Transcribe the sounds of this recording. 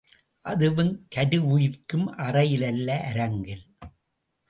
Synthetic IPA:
ʔɐðɯʋɯnkɐɾɯʊjɪɾkɯmʔɐrɐjɪlɐlːɐʔːɾɐŋɡɪl

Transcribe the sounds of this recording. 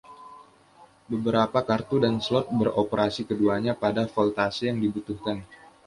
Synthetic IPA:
bəbəɾapakart̪udanslɔt̪̚bəɾopəɾasikəduaɲapadafɔlt̪asijaŋdibut̪uhkan

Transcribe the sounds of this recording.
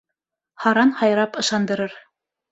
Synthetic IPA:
hɑɾɑnhɑjɾɑpɤ̆ʃɑnd̪ɤ̆ɾɤɾ

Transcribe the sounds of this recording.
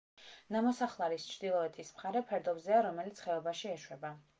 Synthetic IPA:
namɔsaχlˠaɾist͡ʃʰɾd̪ilˠɔɛt̪ʰʼismχaɾɛpʰɛɾd̪ɔbzɛaɾɔmɛlit̪sʰχɛɔbaʃiɛʃwɛba

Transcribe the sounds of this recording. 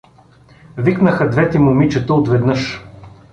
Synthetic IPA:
viknəxəd̪vɛt̪ɛmʊmit͡ʃɛt̪əot̪vɛd̪nɤʃ

